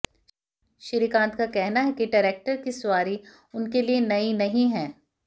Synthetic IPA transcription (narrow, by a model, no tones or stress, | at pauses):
ʃɪɾikãːnt̪kakɛɦnaɦɛkiɖɐɾeːk̚ʈəɾkisʊaːɾi | ʊnkelienɐinɐɦĩɦɛ̃ː